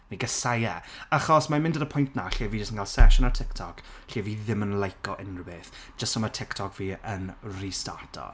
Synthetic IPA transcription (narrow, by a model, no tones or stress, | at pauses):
niɡəsajɛaχɔsmamɪ̃ndodəpʰʊjntʰnaɬeːviːd͡ʒəstənŋkalˠsɛʃʊnatʰɪktʰɔkɬiːviːðɪmənlˠajkɔʔɪnrəbeːθd͡ʒ̥əstɔmatʰɪktʰɔkʰviːənrista̰tʰɔ̰